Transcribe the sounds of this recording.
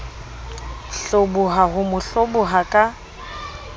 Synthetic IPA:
ɬobʊɦaɦʊmʊɬobʊɦakʼa

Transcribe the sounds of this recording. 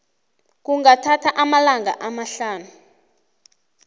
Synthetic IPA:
k̬uŋatʰatʰaʔamalaŋa̰ʔamaɬaːnu

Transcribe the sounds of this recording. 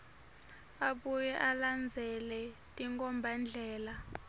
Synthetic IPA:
aɓujɛʔaland͡zʱɛlɛtʼiŋkʼɔmbʱand͡ɮʱɛːla

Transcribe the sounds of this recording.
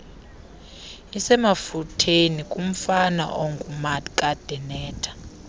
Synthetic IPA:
isɛmafutʰenikʼum̩fana̰ʔoŋɡʼumadkʼad̥ʱɛnɛːtʰḁ

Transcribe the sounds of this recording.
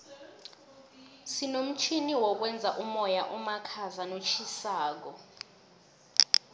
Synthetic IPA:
sinom̩t͡ʃʰiniwɔk̬wɛnd͡zʱaʔumɔjaʔumakʰazanot͡ʃʰisaːk̬ɔ

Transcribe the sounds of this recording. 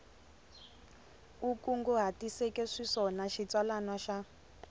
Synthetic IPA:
ukuŋɡɔɦatisɛkɛʂiʂɔnaʃit͡swalanaʃa

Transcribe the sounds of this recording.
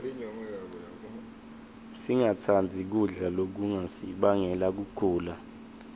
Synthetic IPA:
siŋatʰand͡zʱik̬uɮalok̬uŋasiɓaŋɛlak̬uɡ̥ʱuːla

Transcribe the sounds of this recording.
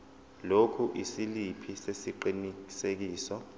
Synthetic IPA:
lokʰuʔisilipʰisesiǃinii̥sek̬iːsɔ

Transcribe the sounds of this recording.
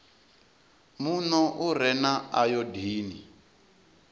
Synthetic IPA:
munɔʔuɾɛnaajɔdiːni

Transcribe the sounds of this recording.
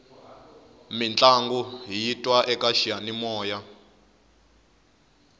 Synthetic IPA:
mint͡ɬʼaŋɡuɦijitʼwaʔɛkʼaʃijanimɔːja

